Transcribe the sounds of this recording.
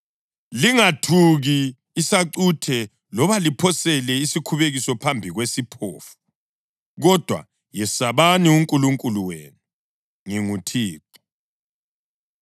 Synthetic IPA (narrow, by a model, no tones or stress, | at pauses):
liŋatʰuɣiː | saǀutʰɛ | lɔβalipʰɔsɛlɛisikʰuβeɣisɔpʰambʱiɣwesipʰoːfu̥ | ɣɔd̥ʱwa̰ | jɛsaβaniuŋkʼuluŋkʼuluweːnu | ŋiŋutʰiːǁu̥